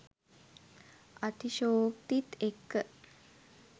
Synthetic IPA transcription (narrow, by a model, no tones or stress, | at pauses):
at̪iʃoːkt̪it̪ekːə